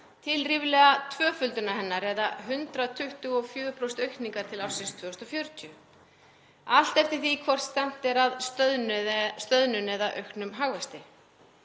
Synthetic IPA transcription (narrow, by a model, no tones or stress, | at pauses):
t̪ʰɪlrivlɛɣat̪ʰvœːfʏlt̪ʏnahɛnːaɾɛðaɦʏnt̪ɾaðt̪ʰʏht̪ʏɣɔfjœːʏpʰɾost̪œɥkniŋkaɾ̥t̪ʰɪlawsɪnst̪ʰv̥œːst̪ɔfjœɾt̪ʰiʏ | al̥t̪ɛft̪ɪ̥θikʰvɔr̥t̪st̪ɛn̥t̪ɛɾað | st̪œðnʏnɛðaʔœ̰ɥhknʏmɦaɣvɛst̪ɪ